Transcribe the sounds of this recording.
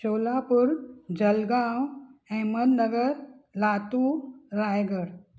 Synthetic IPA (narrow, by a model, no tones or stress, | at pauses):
ɕoːlapuɾd͡ʑəlɡãwɛ̃mənnəɡəɾlaːt̪uɾajɡəɾ